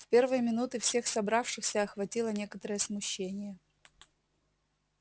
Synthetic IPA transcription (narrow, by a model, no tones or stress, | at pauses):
fpʲe̞rvɨjəmʲɪnut̪ɨfsʲe̞xsɐbɾafʂɨxsʲəɐxvɐtʲilˠənʲe̞kət̪əɾəjəsmʊɕːenʲɪjə